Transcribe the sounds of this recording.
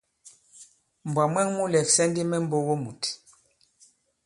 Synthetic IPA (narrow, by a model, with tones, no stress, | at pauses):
m˨bwa˨mwɛ˦ŋmu˦lɛ˨fsɛ˦ndi˦mɛ˦m˦bo˦wo˦mu˨t